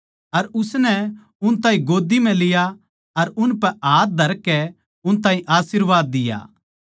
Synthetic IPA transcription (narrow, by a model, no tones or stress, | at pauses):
ɐɾʊsnɛ | ʊnt̪aːĩɡoːd̪imɛ̃lɪja | ɐɾʊnpɛʔaːt̪̚d̪ʱɐɾkːɛ | ʊnt̪ãːĩʔaːsɪɾʋaːd̪̚ːɪja̰ː